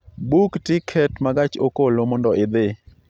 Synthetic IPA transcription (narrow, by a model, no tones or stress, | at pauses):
buktɪkʰɛtmaɡat͡ʃokolomɔndɔʔɪd̪ɪ